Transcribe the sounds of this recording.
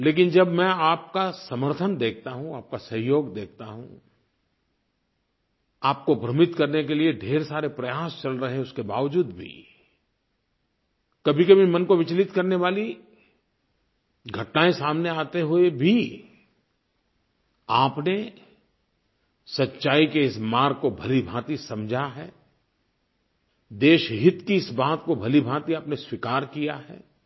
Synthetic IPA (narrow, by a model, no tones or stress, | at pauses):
leːk̬ɪnd͡ʒɐbmɛ̃aːp̚kasɐməɾt̪ʰənd̪eːk̚ʰt̪aɦũaːp̚kasɐɦjoːɡd̪eːk̚ʰt̪aɦṵ̃ | aːp̚kobʱɾɐmɪt̪kɐɾnekelieɖʱeːɾsaːɾepɾɐjaːst͡ʃɐlɾɐɦeɛ̃ʊskeba̰ːʋd͡ʒuːd̪bʱḭ | kɐbʱikɐbʱimɐ̃nkoʋɪt͡ʃlɪt̪kɐɾneʋaːli | ɡʱɐʈnaːẽsaːmneaːt̪eɦʊebʱi | aːpne | sɐtːʃaːikeɪsmaːɾkobʱɐlibʱaːt̪isɐ̃md͡ʒʱaɦɛː | d̪eːʃɦɪt̪kiɪsbaːt̪kobʱɐlibʱaːt̪iaːpneswɪkaːɾkijaɦɛ̰ː